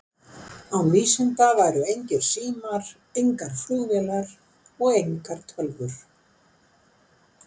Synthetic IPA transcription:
awviːsɪnt̪avaːjɾʏejɲcɪɾ̥siːmaɾ | ejŋkaɾ̥fluɣvɛlaɾ | ɔɣejŋkaɾ̥t̪ʰœlvʏɾ̥

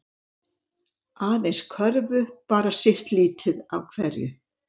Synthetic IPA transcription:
aːðejnskʰœɾvʏpaːɾasɪht̪liːt̪ʰɪðavkʰv̥ɛɾjʏ̰

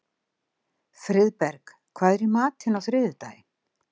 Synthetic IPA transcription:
fɾɪðpɛɾk | kʰvaːðɾimaːt̪hɪnːafɾɪðʏt̪a̰ːjɪ

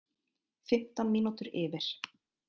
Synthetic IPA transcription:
fɪm̥t̪anmiːnut̪ʏɾɪːvɪɾ̥

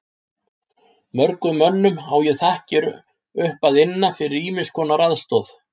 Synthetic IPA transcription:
mœɾkʏmœnːʏmaːwjɛθahcɪɾ | ʏhpaðɪnːafɪɾɪɾiːmɪskʰɔːnaɾaðst̪ɔθ

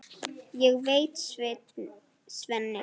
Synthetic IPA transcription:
jɛɣvejt̪s | svɛnːɪ

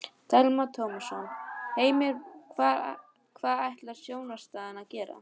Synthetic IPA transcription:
t̪ʰɛlmat̪ʰoːwmsɔnheːjmɪɾkʰva | kʰvaːðajht̪laɾ̥sjoːwnḁst̪aːðɪnaðcɛːɾa̰

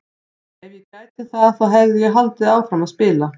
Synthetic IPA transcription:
ɛnjɪkaːjt̪ɪθaðθawɦɛvðɪjɛɦalt̪ɪðaːwfɾamaðspɪːla

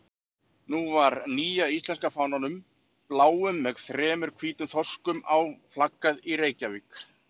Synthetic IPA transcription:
nuvaɾniːjaist̪lɛnskafaːwnanʏm | plaːwʏmːɛɣθɾɛːmʏɾ̥kʰviːt̪ʏnθɔskʏmawflakːaðiɾeːjcavik

